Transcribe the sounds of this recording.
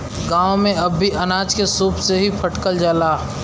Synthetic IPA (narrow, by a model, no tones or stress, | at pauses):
ɡãːwmẽɐbʱːiʔɐnaːd͡ʒkesuːpseɦipʰɐʈkəld͡ʒəlaː